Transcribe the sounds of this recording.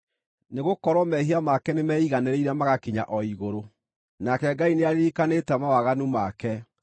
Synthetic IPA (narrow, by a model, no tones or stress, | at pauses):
neɣokɔɾwɔmɛɦiamakɛnemɛiɣanɛɾeiɾɛmaɣakiɲa̰ʔɔiɣoɾo | nakɛɡaineaɾeikanetɛmawaɣanumakɛ